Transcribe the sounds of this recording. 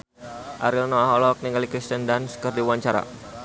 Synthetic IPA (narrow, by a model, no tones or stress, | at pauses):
ʔaɾilnɔaɦɔlɔk̚niŋɡalikɾist̪əndanskərdiwaɲt͡ʃaɾa̰